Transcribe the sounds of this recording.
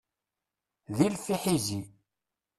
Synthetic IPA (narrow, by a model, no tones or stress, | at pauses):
ðilfiħizi